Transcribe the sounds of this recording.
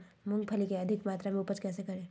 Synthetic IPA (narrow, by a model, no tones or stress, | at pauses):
mʊ̃ŋɡ̚pʰəlikeɐd̪ʱɪkmaːt̪ɾamẽʊpət͡ʃkɛːsekɐɾẽː